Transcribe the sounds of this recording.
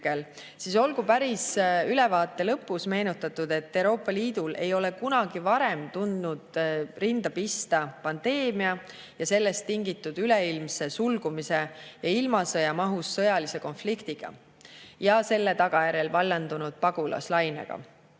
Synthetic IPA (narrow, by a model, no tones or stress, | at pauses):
kel | siso̞lɡ̥upæɾisylɛ̞vɑːt̪ːˑe̞lɤpːˑusme̞ːnut̪ːˑɑt̪ːud̪̥e̞t̪ːe̞wɾo̞ːpːˑɑliːd̪̥ulʔe̞̰jo̞le̞kunɑɡ̥ivɑɾe̞mt̪und̪̥nud̪̥rind̪̥ɑpist̪ɑpɑnd̪̥e̞ːmiɑ | jɑse̞lːe̞st̪ːiŋɡit̪ːˑud̪̥yle̞ilmse̞sulɡ̥umise̞jɑilmɑsɤjɑmɑɦusːɤjɑlise̞ko̞nflikt̪iɡ̥ɑ̰ | jɑse̞lːe̞t̪ɑɡ̥ɑjæɾe̞lvɑlːend̪unud̪̥̚pɑɡ̥ulɑ̰slɑjne̞̰ɡ̥ɑ̰